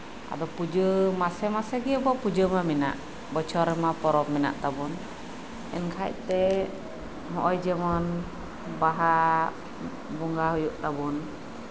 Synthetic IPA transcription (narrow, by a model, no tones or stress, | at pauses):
ʔa̰d̪ɔpud͡ʒəmasɛmasɛɡɛbɔpud͡ʒəmamina̰ʔ | bɔt͡ʃʰɔɾɛmapɔɾɔp̚mina̰ʔt̪abun | ɛ̰nkʰac̚t̪ɛ | mɔʔɔjd͡ʒəmɔn | baɦa | buŋɡaɦɔjuʔt̪abun